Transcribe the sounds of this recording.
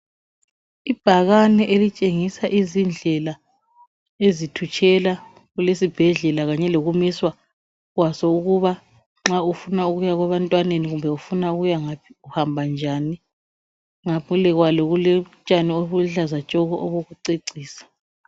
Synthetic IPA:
ib̥ʱaɣanɛʔelit͡ʃʼeŋisaʔizind͡ɮʱɛla | ezitʰut͡ʃʰʼɛla | ɣulesib̥ʱɛɮɛlaɣaɲɛloɣumiswa | ɣwasɔuɣuβa | ŋ͡ǁaufunauɣujaɣwaβantʼwaneniɣumbʱɛufunauɣujaŋapʰi̥uhambʱand͡ʒʱani | ŋapʰulɛɣwalɔɣulɛt͡ʃʼanioβuɮazat͡ʃʼɔɣɔʔɔβoɣuǀeǀiːsḁ

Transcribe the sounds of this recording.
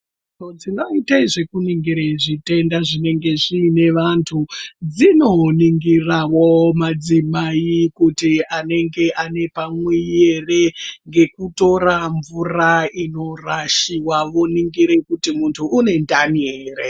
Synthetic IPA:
tod͡zino̞itaiʐe̞kuniŋɡiɾeʐite̞ndaʐine̞ŋɡe̞ʐiːne̞ʋantʰud͡zino̞niŋɡirawo̞mad͡zimaikutiane̞ŋɡe̞ʔane̞pamwije̞re̞ŋɡe̞kuto̞raɱvuraino̞raʃiwaʋoniŋɡiɾe̞kutimuntʰuːne̞ndanieːre

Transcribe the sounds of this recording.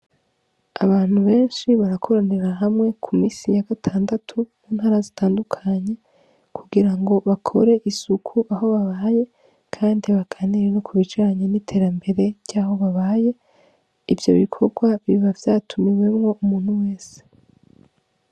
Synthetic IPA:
a̰βaːn̥huβe̞ːnʃiβaɾakʰo̞ɾaneɾaɦamŋe̞kʰumiːsijaɡatʰaːndatʰumuːn̥haːɾazitʰaːndukʰaɲe̞ | kʰuɡiɾaŋɡo̞βakʰo̞ɾe̞ʔisukʰuʔaɦo̞βaβaːje̞ | kʰaːndiβakʰaniɾenokʰuβit͡ʃaɾaɲenitʰe̞ɾambe̞ɾe̞ɾɟ̥aːɦo̞βaβaːje̞ | ivjo̞̰βikʰo̞ɾɡwaβiβavjaːtʰumiwe̞mŋo̞ʔumuːn̥huwe̞ːse̥

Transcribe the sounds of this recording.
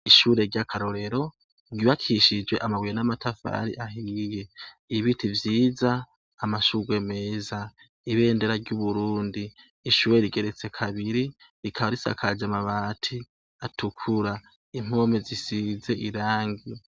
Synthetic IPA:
iʃuːɾe̞ɾɟakʰaɾoɾe̞ɾo̞ | ɾɟiβakʰiʃid͡ʒɡwe̞ʔamaɡwijenamatʰafa̰ɾḭʔaɦije̞ | iβitʰivjiːzaː | maʃuːɡwe̞me̞ːza | iβe̞ːnde̞ɾaɾɟuβuɾuːndiː | ʃuːɾe̞ɾiɡe̞ɾe̞t͡se̞kʰaβiɾiɾikʰaβaɾisa̰kʰad͡ʒamaβaːtʰi | atukʰuɾa | im̥omezisize̞ʔiɾaːŋɡi

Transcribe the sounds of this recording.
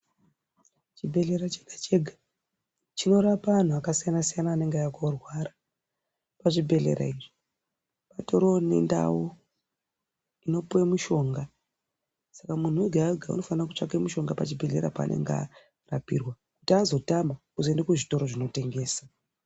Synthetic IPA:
t͡ʃibʱe̞ɮe̞ɾat͡ʃeɡ̥at͡ʃe̞ɡʱa | t͡ʃino̞ɾapaan̤uakasijanasijanaːne̞ŋɡeaakorwaɾa | paʐibʱe̞ɮe̞̰ɾa̰iʐi̥ | patoɾo̞ne̞̰nda̰wu | ino̞puemuʃo̞ːŋɡa | sakamun̤uweɡʱaɡʱaṵno̞fanirakut͡ʂakemuʃo̞ŋɡapat͡ʃibʱe̞ɮe̞ɾa̰pa̰nʔe̞̰ŋɡa̰ | rapḭrwa | kutazo̞tambakuzoendekuʐito̞ɾo̞ʐino̞te̞ŋɡe̞ːsa

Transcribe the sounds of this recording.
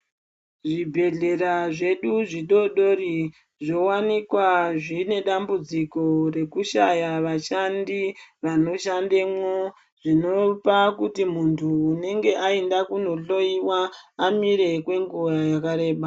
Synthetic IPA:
ʐibʱe̞ɮe̞ɾaʐe̞ɗuʐiɗo̞ɗo̞ɾi | ʐo̞wanikwaʐine̞ɗambud͡ziko̞ɾe̞kuʃajaʋaʃandiʋano̞ʃandemo | ʐ̥ino̞pakutimuntʰuːne̞ŋɡe̞ʔaendakuno̞ɬo̞iwaːmiɾe̞kwe̞ŋɡuʋajakaɾe̞ːɓa

